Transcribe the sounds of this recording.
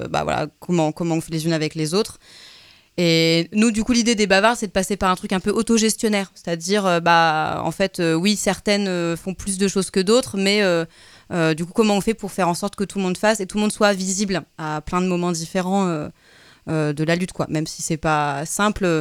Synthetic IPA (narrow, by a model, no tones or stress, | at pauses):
ba̰vwa̰la̰kʰɔmɑ̃kɔmɑ̃ɔ̃fɛlezynavɛklezot̪χ | enud̪ykulid̪ed̪ebavaʁsɛd̪əpasepaʁɛ̃t̪χykɛ̃pøʔot̪ɔʒɛst̪jɔnɛːʁse̥t̪ad̪iʁøbaɑ̰̃fɛt̪øwisɛʁt̪ɛnøfɔ̃plys̬d̪əʃozkəd̪ot̪χmɛø | ød̪ykukɔmɑ̃ɔ̃fɛpuʁfɛʁɑ̃sɔʁt̪kət̪ulmɔ̃d̪faset̪ulmɔ̃d̪swaviziblaplɛ̃d̪əmɔmɑ̃d̪ifeʁɑ̃ø | ød̪əlalyt̪kwa̰mɛmsi̥sɛpasɛ̃plø